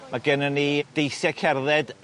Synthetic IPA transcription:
maɡənənid̥ejsjɛkʰɛrðɛd

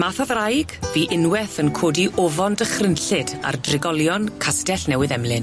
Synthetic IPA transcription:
maːθɔðrajɡ̥viːʔɪnwɛθənkʰoːdiʔɔvɔndəχrənɬɪda̰rdrɪɡɔlˠjɔnkʰastɛɬnɛwɪðɛmlɪn

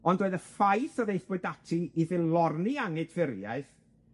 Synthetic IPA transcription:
ɔndoːɨðəfajθɔðejθbʊdatʰiiðɪlˠɔrniaŋɨdv̥ɪrja̰ɨθ

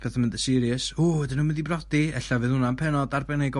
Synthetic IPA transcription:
b̥ʰeθamɪndəsɪɾiəsoːɛdɪnuːmɪndibrɔdiɛɬavɨðhʊnanpʰɛnɔdarbɛnejɡɔ

